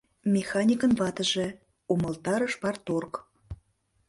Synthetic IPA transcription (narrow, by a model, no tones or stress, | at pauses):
mʲexɑnʲikə̆nβɑt̪ə̆ʒĕ | umɤ̆lt̪ɑɾə̆ʃpɑrt̪ork